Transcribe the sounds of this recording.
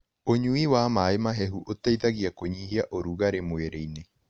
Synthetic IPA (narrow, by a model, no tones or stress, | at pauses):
oɲuiwamaemaɦɛɦuʔotaiðaɣiakoɲiɦiaʔoɾuɣaɾemoeɾeine